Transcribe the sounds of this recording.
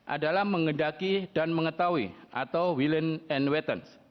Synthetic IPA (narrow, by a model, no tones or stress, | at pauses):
ʔa̰dalahməŋəndakidanməŋət̪awiʔat̪awwilənɛnwɛt̪əns